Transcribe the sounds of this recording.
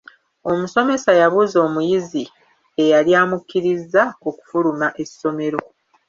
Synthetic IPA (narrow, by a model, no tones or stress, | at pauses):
omuso̞me̞sajaβuzo̞ːmujizi | e̞jaljaːmukːiɾizːaoku̥fulumaʔe̞sːo̞me̞ɾo̞